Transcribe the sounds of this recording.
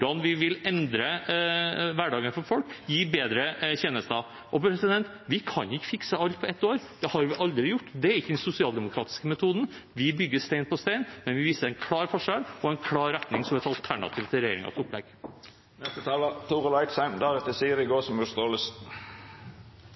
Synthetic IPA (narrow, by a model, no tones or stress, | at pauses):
ʊɖɑnʋɪʋɪlɛnd̪ɾə | ʋæɖɑːɡənfɔɾfɔlkjiːbeːd̪ɾəçeːnəst̪ɑ | ʔɔpʰɾɛsɪd̪ɛnt̪ | ʋɪkʰɑnɪçːəfɪksəɑlt̪pʰɔɛt̪ːoːɾd̪̥ɛhɑɾʋɪʔɑld̪ɾɪjʊʈːd̪ɛæɾɪkːəd̪ɛnsʊsɪɑːld̪ɛmʊkʰɾɑ̰ːt̪ɪ̥skəmɛt̪ʰuːd̪nʋɪbʏɡːəst̪æɪnpʰɔst̪æɪnmɛnʋɪʋiːsəɾæɛɪnkʰlɑːɾfɔʂɛlɔɛɪnkʰlɑːɾɛt̪nɪŋsɔmɛt̪ɑlt̪ʰæɳɑ̰t̪ʰiːʋt̪ʰɪlɾɛjeːɾɪ̰ŋɑ̰t̪ʊpːlɛ̰ɡ | nɛst̪ət̪ʰɑːlət̪ʰuːʁəlɑɪt̪sæmd̪æʁɛt̪əsiːəɾɪɡoːsɔmjʉst̪oːləs